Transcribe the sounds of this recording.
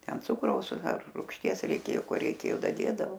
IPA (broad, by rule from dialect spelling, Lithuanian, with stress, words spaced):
ˈtʲɛn ˈt͡sʊkrɐʊs ɐr ruːkʃʲˈtʲiɛs rʲɛɪˈkʲeːjoː ˈkoː rʲɛɪˈkʲeːjoː dɐˈdʲeːdɐʋoː